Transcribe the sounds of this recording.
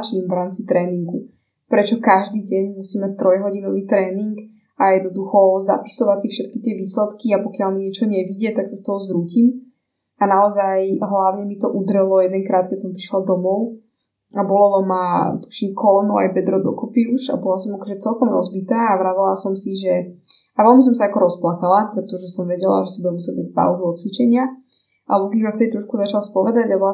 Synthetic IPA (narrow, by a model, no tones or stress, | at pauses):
t͡ʃiːmʋɾaːmt͡sit̪ɾɛːniŋɡu | pɾɛt͡ʃɔkaʒd̪iːɟɛɲmusiːmac̚t̪ːɾɔjɦɔɟinɔʋiːt̪ɾɛːniŋɡ | ʔajɛd̪nɔd̪uxɔza̰pi̥sɔʋat͡sifʃɛt̪̚kit̪ɪɛʋiːslɛt̪kiapɔkɪalmiɲɪɛt͡ʃɔɲɛʋiɟɪɛt̪aksast̪ɔɦɔzɾuːcim | anaɔzajɦlaʋʊɲɛmit̪ɔʔud̪ɾɛlɔjɛd̪ɛŋkɾaːt̪̚kɛcsɔmpɾiʃlad̪ɔmɔʊ | abɔlalɔmat̪u̥ʃimkʰɔlɔnua̰jbɛd̪ɾɔd̪ɔ̰kɔpiuʃa̰bɔlasɔmɔkɔʒɛt͡sɛlkɔmɾɔ̰zbit̪aːʋɾaʋalasɔmsiʒɛ | aʋɛlmis̬ɔmsaakɔɾɔsplakalapɾɛt̪ɔʒɛsɔmʋɛɟɛla̰ʒɛsibuɟɛmus̬jɛɟmacpa̰ʊzuɔtt͡sʋit͡ʃɛɲɪa | ʔa̰lɛbɔkɛbimaft̪ɛit̪ɾɔʃkuzat͡ʃalspɔʋɛd̪aɟabɔla